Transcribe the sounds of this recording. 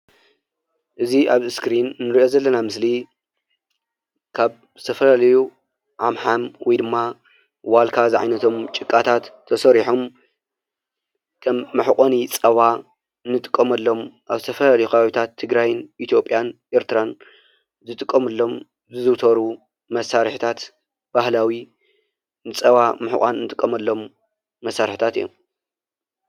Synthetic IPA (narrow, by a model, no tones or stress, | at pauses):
ʔɨziʔaβɨskɾinːɨɾiʔo̞zɐlːɐnamɨsli | kʰaβ | zɨt̪ʰɐfɐlalɐju | ʕamħamwʔɔjd̪ɨmːa | walkʰazɨʕa̰jnɐt̪ʰo̞mt͡ʃʼɨkʼːat̪ʰat̪ʰːɐsɐɾiħom | kʰɐmːɨħkʼonit͡sʼɐβa | ɨnːɨt̪ʼɨ̥kʼːɐmɐlːo̞mʔaβzɨt̪ʰɐfɐlalɐjkʰɐβaβit̪ʰat̪ʰːɨɡɾajnʔit̪ʰjo̞pʼjanʔeɾt̪ʰɨɾan | zɨt̪ʼɨkʼːɐmɨlːo̞m | zɨzɨwt̪ʰɐɾu | mɐsaɾħit̪ʰat̪ | b̥ahlawi | nɨt͡sʼɐβamɨħɨ̰kʼa̰nɨnɨt̪ʼɨkʼːɐmɐlːo̞mː | ɐsːaɾħi̥t̪ʰat̪ɨjːo̰m